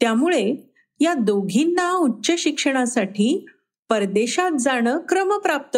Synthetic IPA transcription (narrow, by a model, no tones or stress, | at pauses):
t̪jamuɭe | jad̪oɡʱinːautːɕəɕikʂəɽ̃asaʈʰiː | pəɾd̪eɕat̪̚d͡zaɽ̃əkɾəməpɾap̚t̪ə